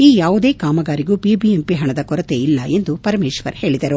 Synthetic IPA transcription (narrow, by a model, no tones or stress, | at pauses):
iːjaːʋud̪e̞ːkaːmɐɡaːɾiɡuːpibiempiɦɐɳɐd̪ɐkɔɾɐt̪eilːɐ̰e̞nd̪upɐɾɐmeːʃʋɐ̰ɾhe̞ːɭid̪ɐɾu